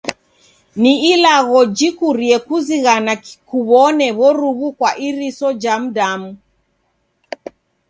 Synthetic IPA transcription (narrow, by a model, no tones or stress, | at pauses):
niilaɣɔd͡ʒikuɾiɛkuziɣanakuβɔnɛβɔɾuβukwaʔiɾisɔd͡ʒam̩damu